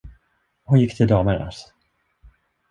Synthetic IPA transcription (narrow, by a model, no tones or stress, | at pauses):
hʊnjɪkːt̪ʰɪld̪ɑːməɾa̰s